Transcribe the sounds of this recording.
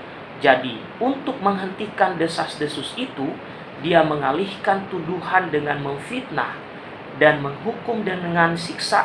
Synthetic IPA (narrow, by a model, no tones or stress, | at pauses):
d͡ʒadi | unt̪ʊk̚məŋɦənt̪ikandəsasdəsʊsit̪u | diaməŋalihkant̪uduhandəŋanməɱfit̪̚na̰h | danməŋɦukʊmdəŋansiksa